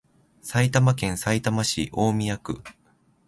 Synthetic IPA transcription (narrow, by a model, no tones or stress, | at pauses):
sait̪amakẽ̞ɰ̃sait̪amaɕḭʔo̞ːmʲiakɯ̟̰